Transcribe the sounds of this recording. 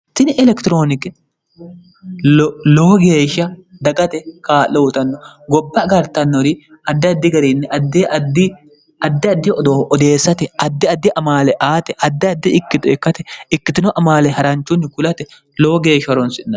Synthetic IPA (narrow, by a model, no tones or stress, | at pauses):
t̪ɪnɪʔɛlɛkt̪ɪɾo̞ːnɪkɪ | loːɡe̞ːʃɐd̪ɐɡɐt̪ɛkaːloːt̪ɐnːɔɡɔbːɐɡɐɾt̪ɐnːɔɾɪ | ʔɐd̪ːɛɐd̪ːɪɡɐɾiːnːɪɐd̪ːeʔɐd̪ɪ | ɐd̪ːɪɐd̪ːɪɔd̪ɔd̪e̞ːsːɐt̪ɛɐd̪ːɪɐd̪ːɪʔɐmaːlɛʔaːt̪ɛʔɐd̪ːɪɐd̪ːɪʔɪkːɪt̪ʊɪkːɐt̪ɛɪkːɪt̪ɪnɔʔɐmaːlɛhɐɾɐnt͡ʃːʊnːɪkʊlɐt̪ɛ | loːɡe̞ːʃɐɾɔnsɪnːɐ